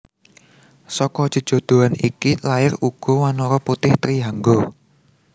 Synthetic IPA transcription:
sɔkɔd̥ʒ̥ə̤d̥ʒ̥o̤d̪̥o̤anḭkilaɪruɡ̥ɔ̤wanɔɾɔput̪ɪht̪ɾiɦaŋɡɔ

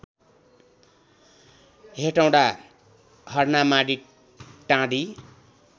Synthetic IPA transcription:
ɦeʈaw̃ɽa | hʌrnamaɽi | ʈãɽi

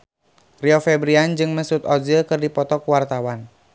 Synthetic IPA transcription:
riɔfɛbɾiand͡ʒɨŋməsut̪ɔzəkɨrdipɔt̪ɔkuwart̪awan

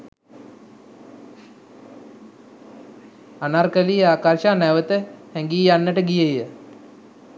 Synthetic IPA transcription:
anarkəliːaːkarʃaːnæʋət̪əhɛŋɡiːjanːəʈəɡijəjjə

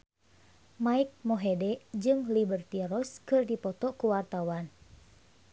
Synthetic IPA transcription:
maik̚mɔɦedɛd͡ʒɨŋlibərt̪iɾɔskɨrdipɔt̪ɔkuwart̪awan

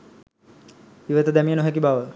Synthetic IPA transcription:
iʋət̪əd̪ɛmijənoɦɛk̬ibaʋə

